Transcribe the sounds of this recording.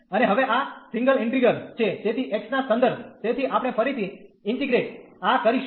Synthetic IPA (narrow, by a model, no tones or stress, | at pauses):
əneɦəʋeʔasĩŋɡəlɪɳʈɾiɡəɾt͡ʃʰed͡ʒet̪ʰiʔeksnasə̃nd̪əɾb̪̚ʱt̪et̪ʰiʔapɽ̃epʰəɾit̪ʰiɪɳʈiɡɾeʈakəɾiʃ